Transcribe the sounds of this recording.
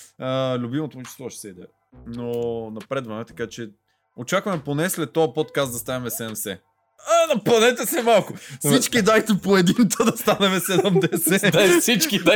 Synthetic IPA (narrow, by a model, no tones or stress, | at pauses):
əlʲʊbimot̪omt͡ʃɛ̥st̪vɔʃɛ̥sɛid̪ɛ̰ | nonɐpɾɛd̪vɐnɛt̪ɐ̥kat͡ʃɛ | ot͡ʃakvɐmɛponɛslɛt̪ːɔɐpɔt̪kasd̪ɐst̪anɛmɛsɛmsɛ | anɐplˠɐnɛt̪əsɛmalˠkʊfssit͡ʃkid̪ajt̪ɛpoɛd̪int̪əd̪ɐst̪anɛmɛsɛd̪ɔmd̪ɛsɛsit͡ʃkid̪a